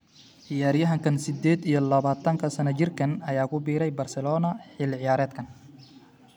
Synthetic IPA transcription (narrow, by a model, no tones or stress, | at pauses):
ʕɪjaːɾjɐɦɐŋkʰɐnsɪd̪ɛːd̪ijɔlɐβaːt̪ʰɐŋkʰɐsɐnɐt͡ʃɪrkʰɐnɐjaːkʰʊbiːɾɛjbɐrsɛlɔːnɐħɪlʕɪjaːɾɛːd̪̚kʰɐn